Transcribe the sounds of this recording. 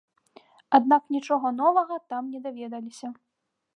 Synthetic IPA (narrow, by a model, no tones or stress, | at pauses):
ad̪̚naknʲit͡ʂɔɣɐn̪ɔvɐɣɐt̪amnʲɛd̪avʲɛd̪ɐlʲisʲɐ